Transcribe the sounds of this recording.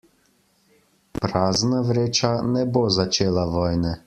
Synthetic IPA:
pɾaːznaʋɾeːt͡ʃanɛbozat͡ʃeːlaʋɔːjnɛ

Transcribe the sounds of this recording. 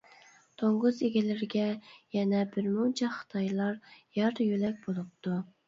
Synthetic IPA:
t̪ʰoŋʁʊzeɡʲilɪɾɡʲɛjɛnɛbɪɾmunt͡ʃʰɛχə̥t̪ʰɑjlˠɑɾjɑɾjølɛk̚ʲbolˠup̚t̪u

